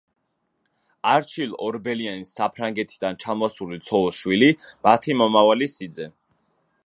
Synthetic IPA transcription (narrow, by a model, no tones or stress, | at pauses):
aɾt͡ʃʰilɔɾbɛlianisːapʰɾaŋɡɛt̪ʰid̪ant͡ʃʰamɔsulit̪sʰɔlˠʃwilimat̪ʰimɔmavalisid̪zɛ